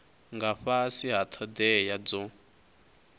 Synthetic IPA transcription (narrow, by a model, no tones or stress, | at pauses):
ŋɡaɸasiɦat̪ʰɔd̪ɛjad͡zɔ